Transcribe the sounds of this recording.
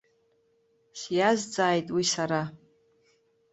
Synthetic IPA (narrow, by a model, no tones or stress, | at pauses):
sjazd͡zaːjtʼwisaɾa